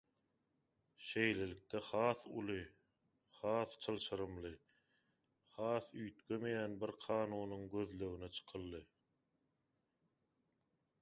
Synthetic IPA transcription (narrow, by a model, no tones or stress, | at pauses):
ʃe̞jle̞lik̚t̪ʰeχɑːθṵlˠɯ | χɑːθt͡ʃʰɯlˠʃɯɾɯmlˠɯ | χɑːθyjt̪ɡømejæːnbiɾqʰɑːnuːnuŋɡø̞ðløɣynet͡ʃʰɯ̥qʰɯlˠːɯ